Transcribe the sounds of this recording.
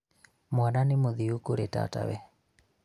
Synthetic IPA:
mwananɪmʊðiukoɾeta̰ta̰wɛ

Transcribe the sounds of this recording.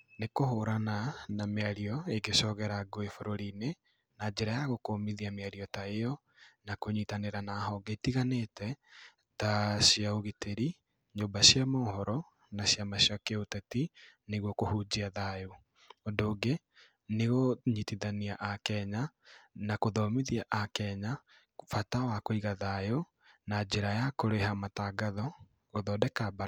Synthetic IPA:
nekohoɾananameaɾiɔeɡeʃɔɣɛɾaɡoefoɾoɾine | nad͡ʑeɾajaɣokoːmiðiameaɾiɔtaejɔ | nakoɲitaneɾanahɔɡetiɣanetɛ | taɕiaoɣitʰeɾi | ɲoːbaɕiamohɔɾɔ | naɕjamaɕiakeotɛtineɣwɔkohud͡ʑiaðajo | ɔndoːɡe | neɣoɲitiðaniaʔakɛɲanakoðɔmiðiaʔakɛɲa | fatawakoiɣaðajo | nad͡ʑeɾajakoɾehamataːɡaðɔ | oðɔdɛkabaɾ

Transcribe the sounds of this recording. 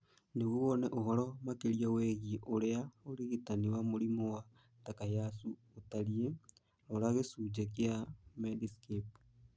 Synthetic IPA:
neɣuɔnɛʔoɦɔɾɔmakeɾiaweɣiʔoɾeaoɾiɣitaniwamoɾimowa | takajasu | otaɾie | oɾaɣesuːd͡ʒek̬jamediskep

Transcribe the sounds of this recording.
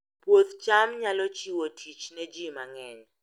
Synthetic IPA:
pwot̪t͡ʃamɲalɔt͡ʃiwotʰit͡ʃnɛd͡ʒimaŋɛɲ

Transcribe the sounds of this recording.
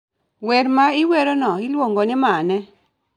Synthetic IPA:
wɛɾmaiweɾonɔilwoŋɡonɪmanɛ

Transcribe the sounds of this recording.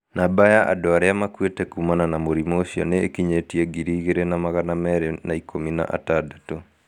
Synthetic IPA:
nabajaʔa̰doaɾeamakwetɛkumananamoɾimoɕiɔ̰neːkiɲetieɡiɾiːɣeɾenamaɣanamɛɾenaikʰomina̰ʔa̰taːdato

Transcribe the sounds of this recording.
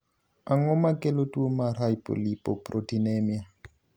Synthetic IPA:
aŋɔmakʼɛlotʼuomaɾajpʼo̰lipʼɔprotinemia

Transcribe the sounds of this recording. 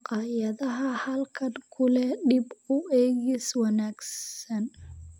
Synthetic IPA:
qɑːjɐðɐɦɐhɐlkʰɐnkʰʊlɛɖɪbʊɛːɣiswɑnaːɡsɐn

